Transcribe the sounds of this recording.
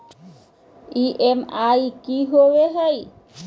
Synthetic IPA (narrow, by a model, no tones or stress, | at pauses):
iʔemajkiɦoweɦaj